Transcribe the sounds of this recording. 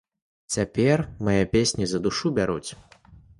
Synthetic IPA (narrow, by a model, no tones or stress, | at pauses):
t͡sʲapʲɛrmajɛpʲesʲnʲizɐd̪uʂubʲaɾut͡sʲ